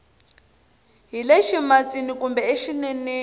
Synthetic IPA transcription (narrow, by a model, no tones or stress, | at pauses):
ɦileʃimat͡sinikumbɛeʃinɛne